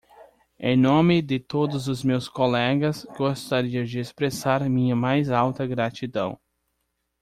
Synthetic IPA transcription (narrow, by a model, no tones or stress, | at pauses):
ḛ̃j̃nõmɪd̪ɪt̪od̪ʊzʊzmewskolɛɡɐsɡost̪aɾiɐd͡ʒɪespɾesaɾmĩɲɐmajzawt̪ɐɡɾat͡ʃid̪ɐ̰̃w̃